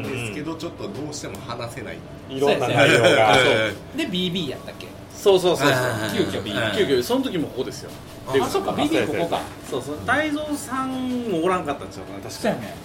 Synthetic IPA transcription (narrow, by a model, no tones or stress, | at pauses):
d̪esɨ̥ke̞d̪o̞t͡ɕo̞t̪ːod̪o̞ːɕi̥t̪e̞mohanase̞na̰ḭt̪ | iɾoaao | d̪ebʲiːbʲiːja̰t̪ːakʲːe̞̰ | soːso̞ːsoːoːkʲɨːkʲoiɯːkʲoiso̞not̪o̞k̬ʲimokokod̪e̞sɨjo̞̰ | tekaosokːabʲiikokoka̰ | soːsoːt̪aizoːsãŋmooɾãŋkat̪ːãt͡ɕaɯkanat̪aɕi̥kae